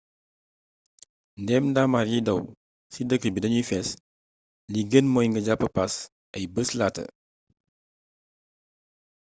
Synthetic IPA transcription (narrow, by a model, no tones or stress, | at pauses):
ndɛmdamaɾjidɐw | sidəkːəbidɐɲifɛs | liɡənmɔːjŋɡɐɟapːəpas | ʔɐjbəslaːtə̰